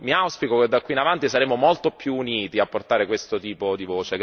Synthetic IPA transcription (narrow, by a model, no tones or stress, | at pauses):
miawspikoked̪ːakwiːnavant̪isaɾeːmomolt̪opjuːniːt̪iapːort̪aːɾekwest̪ot̪iːpod̪ivoːt͡ʃe